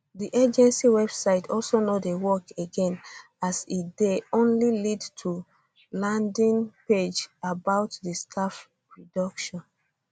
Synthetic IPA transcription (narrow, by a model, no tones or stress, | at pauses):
diʔed͡ʒɛ̃nsiwɛbsaɪtʰɔlsonodewɔkeɡɛ̃n | asideõnlilidtʰu | lãndĩnped͡ʒabaʊtdistʰaf | ɹidɔkʃɔ̃n